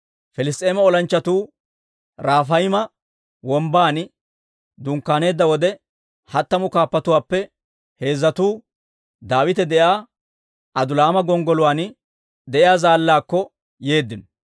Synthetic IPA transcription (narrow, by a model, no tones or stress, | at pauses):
fɛlɪst̪ʼːeːmɐɔlɐnt͡ʃːɐt̪uː | ɾaːfɐjmɐ | wɔmbaːn | d̪ʊŋkːaːne̞ːd̪ːɐwɔd̪ɛ | hɐt̪ːɐmʊkaːpːɐt̪ʊwaːpːɛ | he̞ːzːɐt̪uː | d̪aːwɪt̪ɛd̪ɛʔjaː | ɐd̪ʊlaːmɐɡɔŋɡɔlʊwaːn | d̪ɛʔɪjaːzaːlːaːkːɔ | je̞ːd̪ːɪnɔ